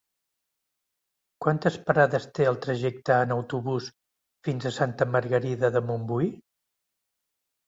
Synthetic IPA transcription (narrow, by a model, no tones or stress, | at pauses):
kwant̪əspəɾaðəst̪eəlˠt̪ɾəʒɛk̚t̪əːnəwt̪uβus | finzəsant̪əməɾɣəɾiðəðəmumbui